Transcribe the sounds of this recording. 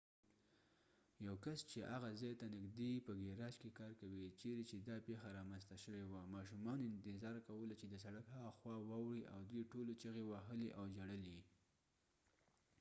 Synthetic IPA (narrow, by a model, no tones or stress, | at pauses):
jawkast͡ʃeʔaɣazɑjt̪anɪɡd̪epəɡeɾɑʃkekɑɾkawit͡ʃeɾet͡ʃed̪ɑpexaɾɑmanst̪aʃəwewamɑʃumɑnoɪnt̪ɪzɑɾkawəlat͡ʃed̪əs̬aɽakɦaɣaxwɑwɑwɽiʔawd̪wijʈolot͡ʃəɣewaɦəliʔawd͡ʒaɽəli